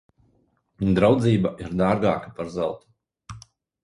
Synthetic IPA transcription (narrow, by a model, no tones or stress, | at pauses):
d̪ɾawd̪ziːbaʔiɾd̪aːɾɡaːkḁpaɾzɛlˠt̪u̥